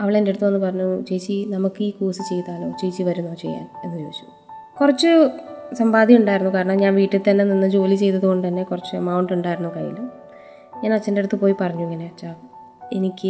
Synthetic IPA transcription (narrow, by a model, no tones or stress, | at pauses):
ɐʋiɭende̞ɽut̪ːuʋɐnːɨpɐrɐɲːut͡ɕejt͡ɕːinɐmukːɨiːkuːsɨt͡ɕe̞jt̪aːɭo̞̰ːt͡ɕejt͡ɕːiʋɐɾunːoːt͡ɕe̞̰jːa̰ːne̞nːɨt͡ɕo̞̰ːɕu̥ | kurɐt͡ɕːɨsɐmbaːd̪ʱiuɳɖaːjiɾunːukaːɾɐɳɐmɲaːnʋiːʈːɨt̪ɐnːe̞ninːɨd͡ʑo̞ːlit͡ɕe̞jt̪ːɐðuɣo̞ɳɖɨt̪ɐnːekurɐt͡ɕːɨmɐwɳɖuɳɖaːjiɾunːukɐ̰jḭlu | ɲaːnɐt͡ɕːende̞ɽut̪ːɨpoːjipɐrɐɲːueŋːɐneɐt͡ɕːa | enikʲːɨ